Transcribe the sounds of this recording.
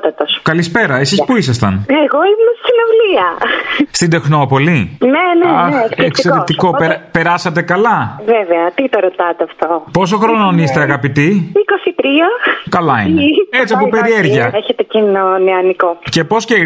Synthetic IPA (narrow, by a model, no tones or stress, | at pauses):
t̪ɐt̪oskɐlispe̞ɾɐe̞sispuisɐst̪ɐneɣoimesinovliɐst̪id̪e̞xno̞po̞lineneɐeekseɾeiko̞peɾpe̞ɾɐsɐt̪̬e̞kɐlɐveveɐt̪it̪oɾot̪ɐt̪eɐft̪opo̞s̬o̞xɾo̞nonist̪eɐɣɐpit̪iikosit̪ɾiɐkɐlɐiet͡siɐpope̞ɾieɾʝiɐeçet̪ecinoneɐnikoce̞po̞sce